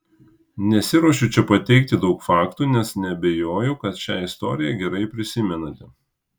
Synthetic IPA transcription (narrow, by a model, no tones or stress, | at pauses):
nʲɛsʲɪɾoɔʃ̬ʲut͡ʃʲɛpɐt̪ʲɛɪk̚t̪ʲɪd̪ɒʊkfɑːkt̪uːnʲɛsnʲɛɐbʲɛjoːjɛʊkɐt̪ʃʲæːɪst̪ɔ̰ːɾʲɪjɛɡʲɛɾɐɪpʲɾʲɪsʲɪmʲɛnɐt̪ʲɛ